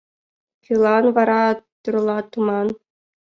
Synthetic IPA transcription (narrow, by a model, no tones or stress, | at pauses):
χʲɯlˠɑnʋɑɾɑt̪urlˠɑt̪umɑn